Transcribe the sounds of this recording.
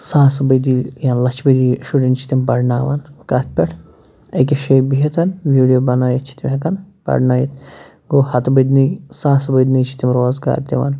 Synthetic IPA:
saːsɐbɐjd̪ijanlɐt͡ʃʰbɐd̪iʃuʈint͡ʃʰi̥t̪imbɐɖnaːʋɐ̰nkɐt̪̚ʰpʲɐʈʰ | ek̬ʲeʃejbiɦɐt̪ʰɐnʋiːɖijobɐnaːjit̪t͡ʃʰi̥t̪imɦɐkɐn | pɐ̰ɖnaːjit̪ | ɡoːhɐt̪bɐd̪nisaːsɐbɐjd̪nit͡ʃʰi̥t̪imɾoːzɡa̰ːɾd̪ʲɐ̰ʋɐ̰n

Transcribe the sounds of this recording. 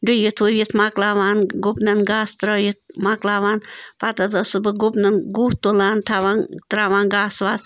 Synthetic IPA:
ɖɨjit̪ʰuʋʲjit̪ʰmaklaːʋaːnɡupnɐnɡaːst̪ɾɐjit̪̚maklaːʋaːnpat̪ɐzɐsɨbɨɡupnɐnɡuːht̪olaːnt̪ʰaʋant̪ɾaːʋaːnɡaːsʋaːt̪

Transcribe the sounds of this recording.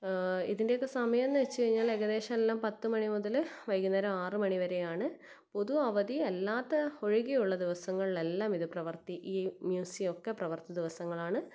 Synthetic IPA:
iðinde̞jokːe̞sɐmɐjɐenːɨʋet͡ɕːɨkɐɻiɲːaːle̞ɣɐðe̞ːʂɐmelːaːmpɐt̪ːɨmɐɳimuðɐlʋɐjkːunːɐɾɐaːrɨmɐɳiʋɐɾejaːɳɨ | po̞ðuɐʋɐðielːaːt̪ːeo̞ɻiɣijuɭːɐd̪iʋɐsɐŋːɐɭiɭe̞lːaːmiðɨprɐʋɐrt̪iʔiːmjuːsio̞kːeprɐʋɐrt̪ɐd̪iʋɐsɐŋːɐɭaːɳɨ

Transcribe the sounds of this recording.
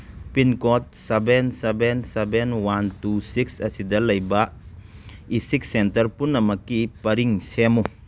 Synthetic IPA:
pinkɔt̚sebensebensebenwantusiksɐsidɐlɐjba | isik̚sentɐɾpunːɐmɐkːipɐɾiŋsemu

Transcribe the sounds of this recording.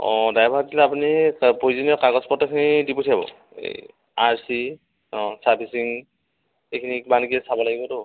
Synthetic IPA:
ɔ̰̃dajbʱatilaapunipoizɔniɔkaɡɔspɔtːɔkʰinidipotʰijabɔ̰ | ḛ | aɹsi | ɔsaɹpʰisiŋ | ejkʰinikbankiɛsabɔlaɡibɔtʊ

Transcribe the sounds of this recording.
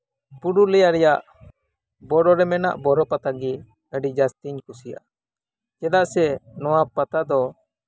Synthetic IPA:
buɖulɛjaɾɛjaʔ | bɔɾɔɾɛmɛna̰ʔbɔɾɔpat̪aɡi | əɖid͡ʒast̪iɲkusija̰ | t͡ʃɛd̪aʔsɛnɔwapat̪ad̪ɔ

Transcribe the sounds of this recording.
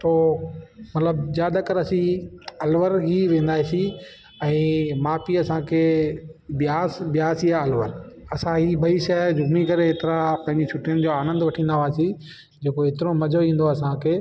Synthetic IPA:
t̪oːmɐt̪ləbzjaːd̪əkəɾɐsĩɐlʋəɾɦiʋẽːn̆d̪aːisi | ɛ̃ːmaːpiɐsãkʰeːbɪjaːsbjaːsiaɐlʋəɾɐsãɦibɐiʃɛd͡ʑʊɡmikɐɾeeːt̪ɪɾapɐ̃ɦɪ̃ɲd͡ʑisʰʊʈijənɪ̆d͡ʑoːaːnə̃nd̪ʋɐʈʰĩːnd̪aʋaːsi | d͡ʑeːkoɦet̪ɪɾomɐd͡ʑʱoĩːn̆d̪oɐsãkʰeː

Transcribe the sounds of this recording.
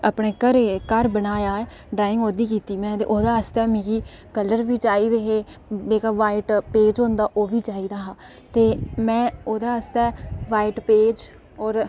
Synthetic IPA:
əpɳeːkəɾekəɾbənaːjaːeː | ɖɾaːɪ̃ŋɡoːd̪iːkiːt̪iːmɛ̃ːt̪ḛːʔoːd̪aːəst̪ɛːmĩːɡiːkələɾʋiːt͡ʃaːiːd̪eɦeːeːkaːʋaːiʈpeːd͡ʒɦõnd̪aːʔoːʋiːt͡ʃaːiːd̪aːɦaː | t̪eːmɛ̃ːoːd̪aːəst̪ɛːʋaːiʈpeːd͡ʒ | ɔːɾ

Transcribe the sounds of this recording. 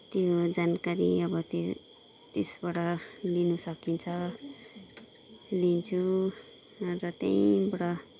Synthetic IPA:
t̪jod͡zankaɾiʌbʌt̪e | t̪esbaɽʌlinusʌkint͡sʰʌ | lint͡sʰu | rʌt̪ja̰jĩbaɽʌ

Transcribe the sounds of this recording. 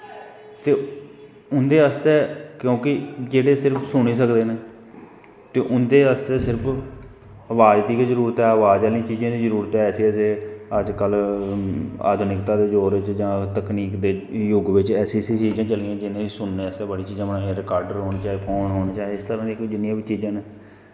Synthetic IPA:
t̪eː | ʊnd̪eːəst̪eːkjõːkɪd͡ʒeːɽeːsɪɾəpʰsʊɽ̃iːsəkd̪eːneː | t̪eːʔʊnd̪eːəst̪eːsɪɾəpʰ | əʋaːd͡ʒt̪iːkezəɾuːɾət̪ɛːəʋaːd͡ʒalĩːt͡ʃiːd͡ʒãːd̪iːzəɾuːɾət̪ɛːɛːsiːɛːseːəd͡ʒkəl | a̰ːd̪ʱʊnɪkt̪aːd̪eːd͡ʒoːɾɪt͡ʃd͡ʒãːt̪əkniːkd̪eːjʊɡʋɪt͡ʃɛːsiːsĩːt͡ʃiːzãːt͡ʃəliːãːd͡ʒɪnẽːiːsʊnːeːəst̪eːbəɽiːt͡ʃiːzãːəpnãːɦeɾɪkaːɾɖəɾɦoːnːt͡ʃaːeːpʰoːnɦoːñaːt͡ʃaːeɪst̪əɾãːd̪iːkd͡ʒɪnjãːbiːt͡ʃiːzãːneː

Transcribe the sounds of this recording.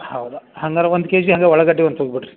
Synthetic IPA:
hɐwd̪uhɐŋɡɐɾɐond̪ukeːd͡ʒiɦɐŋɡeɔɭɐɡɐʈːiʋond̪ɦoːɡbiʈɾi

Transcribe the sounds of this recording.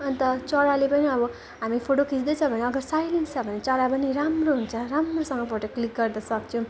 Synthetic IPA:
ʌnit̪ʌt͡sʌɽalepʌniʌbʌ | ɦamipʰoʈokʰit͡sd̪ʌt͡sʰʌ̃bʱʌneʌɡʌrsajlenst͡sʰʌbʱʌnet͡sʌɽapʌniɾamroɦunt͡sʰʌɾamrosʌŋɡʌpoʈʌklik̚ɡʌrd̪ʌsʌkt͡sʰʌw̃

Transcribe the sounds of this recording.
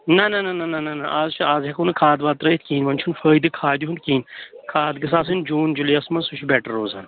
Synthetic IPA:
nɐnɐnɐnɐnɐnɐnɐʔaːzt͡ʃʰiaːzɦɐkunɨkʰaːd̪ʋaːt̪ɾɐit̪̚ʰkiːnʋɐnʲt͡ʃʰunfəːjd̪ɨkʰaːd̪iɦund̪̚kiːnkʰaːd̪ɡɐs̬aːs̬ind͡ʒuːnd͡ʒulijɐsmɐnsut͡ʃʰibeːʈɐɾːoːzɐːn

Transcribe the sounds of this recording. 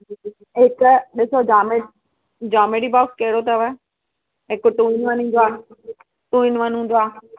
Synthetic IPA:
ɦɪkɗɪsod͡ʒaːme | d͡ʒaːmeɽiːbaːskɐɦɪɽot̪ɐʋə | ɦɪkʊʈũːinʋɐnĩnd̪oaː | ʈũːinʋɐnũːnd̪oaː

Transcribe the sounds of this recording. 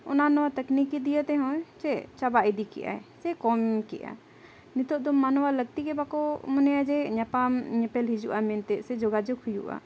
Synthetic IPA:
ʊnanɔwat̪əknikid̪ijət̪ɛɦɔ̃jt͡ʃɛt͡ʃabaʔid̪ikḭʔa̰ɛsɛkɔmkḭʔa̰ | nit̪ɔʔd̪ɔmːanɔwaləɡ̚t̪ikɛbakɔmɔnɛjad͡ʒɛɲapamɲɛpɛlɦid͡ʒuʔamɛnt̪ɛsɛd͡ʒɔɡad͡ʒɔkʰhujṵʔa̰

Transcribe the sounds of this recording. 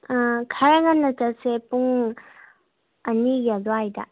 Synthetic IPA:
kʰaɾaŋanːɐtɐsepuŋ | ɐniɡiadoajda̰

